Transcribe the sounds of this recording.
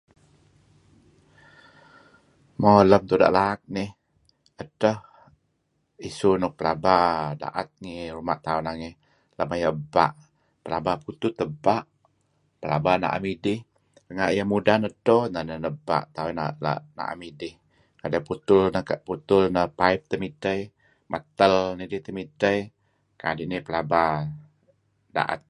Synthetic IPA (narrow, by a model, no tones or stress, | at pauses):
moləmt̪uda̰ʔlak̚nɪh | ətəh | isunʊpəlabada̰ʔa̰t̪̚ŋiɾumaʔt̪aunaŋɪh | lamajəba̰ʔ | pəlabaput̪ut̪ːəbaʔ | pəla̰bana̰ʔa̰midɪh | rəŋaʔjəmudanədohnənənəba̰ʔt̪auna̰la̰na̰ʔa̰midɪh | kadaput̪ʊlnəkəʔput̪ʊlnəpaip̚t̪əmit̪əj | mat̪əlnidɪht̪əmitəj | kadiʔnihpəlaba | da̰ʔa̰t̪̚